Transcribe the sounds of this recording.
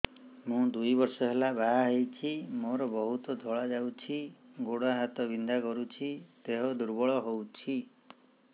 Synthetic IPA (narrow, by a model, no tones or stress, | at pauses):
mũd̪ujbɔɾsɔɦelabaɦaɦejt͡ʃʰimoɾɔbɔɦut̪ɔd̪ʱɔɭad͡ʒawt͡ʃʰiɡoɽaɦat̪ɔbind̪akɔɾut͡ʃʰit̪eɦɔd̪uɾbɔɭɔɦowt͡ʃʰi